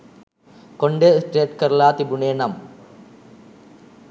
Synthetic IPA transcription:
koɳɖesʈeːʈkɐɾlaːt̪ibuɳeːnɐm

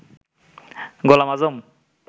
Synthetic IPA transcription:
ɡɔlamazɔm

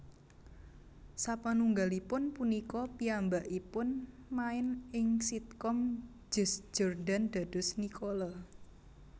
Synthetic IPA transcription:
sapanuŋɡalipʊnpunikɔpiambaʔipʊnmaɪnɪŋsit̪̚kɔm | d͡ʒ̥ə̤sd͡ʒ̥ɔrdand̪̥a̤d̪̥ʊ̤snikʰolɔ

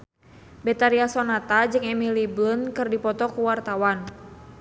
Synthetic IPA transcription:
bɛt̪aɾiasɔnat̪ad͡ʒɨŋɛmiliblunkɨrdipɔt̪ɔkuwart̪awan

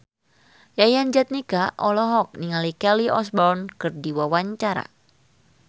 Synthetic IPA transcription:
jajand͡ʒat̪̚nikaʔɔlɔɦɔk̚niŋalikɛliʔɔsbɔrnkɨrdiwawaɲt͡ʃaɾa̰

